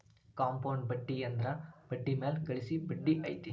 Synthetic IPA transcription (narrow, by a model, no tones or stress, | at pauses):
kaːmpɐːnbɐɖːiɛnd̪ɾãːb̥ɐʈːimeːlkɐɭɪsibɐɖːiʔɐɪt̪ːi